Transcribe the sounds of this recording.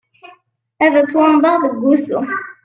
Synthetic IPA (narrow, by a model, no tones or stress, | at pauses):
æðæt͡sːwɑnd̪ˤɑʁðəɡːusṵ